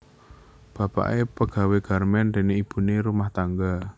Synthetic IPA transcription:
b̥a̤pa̰ʔepəɡ̥a̤weɡ̥a̤rmɛnd̪e̤neib̥ṳneɾumaht̪aŋɡa

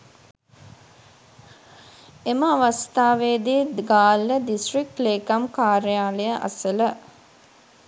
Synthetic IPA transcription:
eməaʋast̪aːʋeːd̪eːɡaːlːəd̪isʈrik̚ʈleːkamkaːɾəjaːləjəʔa̰sələ

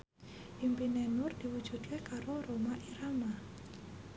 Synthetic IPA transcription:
ʔimpinenʊrd̪̥iwud̥ʒ̥ṳd̪̚kekaɾoɾomaʔiɾama

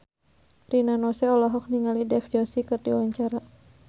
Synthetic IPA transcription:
rinanɔsɛɔlɔɦɔk̚niŋalidɛfd͡ʒɔsikɨrdiwaɲt͡ʃaɾa

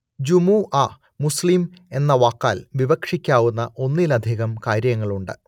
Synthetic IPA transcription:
d͡ʑumuʔa | muslime̞nːɐʋaːkːaːlʋiʋɐkʂikʲːaːwunːɐʔo̞nːilɐd̪ʱiːɣɐmkaːɾjɐŋːɐɭuɳɖɨ

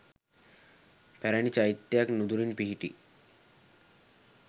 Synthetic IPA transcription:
pæɾænit͡ʃajit̪ːejaknud̪uɾinpiɦiʈḭ

